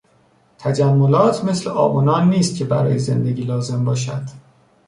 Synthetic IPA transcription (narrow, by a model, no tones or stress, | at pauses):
t̪ʰæd͡ʒæmːolɒːt̪ʰme̞sleʔɒ̰ːbunɒːnːiːst̪̚cʰe̞bæɾɒ̰ːjeze̞nd̪eɟiːlɒːze̞mbɒːʃæd̪̥